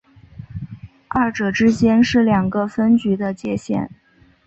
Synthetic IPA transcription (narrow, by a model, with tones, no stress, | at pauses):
a˥˩ʈ͡ʂɤ˨˩ʈ͡ʂɻ̩˥t͡ɕjɛ˥nʂɻ̩˥˩ljɑ˨˩ŋɡə˧fə˥nt͡ɕy˧˥d̪ə˧t͡ɕjɛ˥˧ɕjɛ̰˥˩n